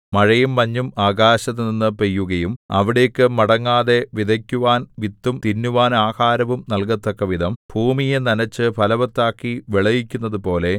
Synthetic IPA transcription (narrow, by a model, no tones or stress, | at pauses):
mɐɻɐjumːɐɲːumaːɡaːɕɐt̪ːɨninːɨpejːuɣɐjumɐ̰ʋiɽe̞ːkːɨmɐɽɐŋːaːðe̞ʋid̪ʱɐkʲːuʋaːnʋit̪ːumt̪inːuʋaːnaːhaːɾɐʋumnɐlkɐt̪ːokːɐʋid̪ʱɐmbʱuːmijɐnɐnɐt͡ɕːɨpʰɐlɐʋɐt̪ːaːkːiʋiɭɐjikʲːunːɐðupo̞ːle̞